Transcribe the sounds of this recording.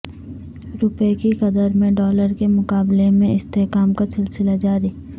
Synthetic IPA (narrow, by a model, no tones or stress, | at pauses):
ɾʊpekikɐd̪əɾmẽɖɔːləɾkemʊkaːblemẽɪst̪eɦkaːmkasɪlsɪlad͡ʒaːɾiː